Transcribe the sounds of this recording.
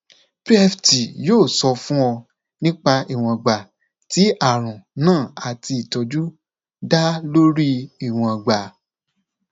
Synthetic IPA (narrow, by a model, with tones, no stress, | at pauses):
pɾi˦ɛ˧fti˨joː˦˨sɔ˧fũ˦ɔ˧ | nĩ˦k͡pa˧i˨w̃ɔ̃˧˨ɡ͡ba˨ | ti˨˦a˦˨ɾ̃ũ˨nãː˦˨a˨ti˧i˨tɔ˧d͡ʒu˦ | da˦lo˦ɾi˦i˦˨w̃ɔ̃˧˨ɡ͡ba˨